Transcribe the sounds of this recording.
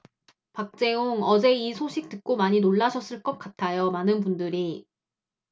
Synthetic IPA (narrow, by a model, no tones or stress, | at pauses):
pak̚t͡ɕ͈e̞oŋʌd͡ʑe̞isʰoɕʰik̚t͈ɯk̚k͈omaɲinoɭːaɕʰʌs͈ɯɭk͈ʌk̚k͈atʰajomanɯnpundɯɾi